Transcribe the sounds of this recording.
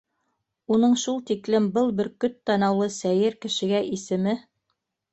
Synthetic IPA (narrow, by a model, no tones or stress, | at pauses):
unɤɴʃulˠt̪iklɘmbɤlˠbɘɾkɵt̪ːɑnɑwlˠɤsæjɘɾkɘ̆ʃɘ̆ɡæʔisɘ̆mɘ